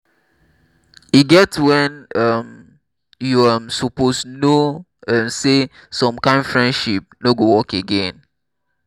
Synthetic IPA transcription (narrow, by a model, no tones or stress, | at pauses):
iɡɛtwɛ̃nʌm | juamsɔpostno | ɛ̃mse | sɔ̃mkãɪ̃ndfɹɛ̃ndʃip̚noɡowɔkeɡẽn